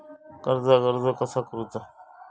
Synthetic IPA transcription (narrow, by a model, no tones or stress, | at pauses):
kəɾzaːkəɾzaːkəsʰaːkəɾuːt̪aː